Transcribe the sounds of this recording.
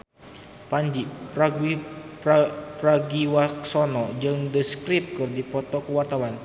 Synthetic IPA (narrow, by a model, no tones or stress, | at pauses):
paɲd͡ʒipɾaɡipapɾaɡiwaksɔnɔd͡ʒɨŋdəskɾip̚kɨrdipɔt̪ɔkəwart̪awan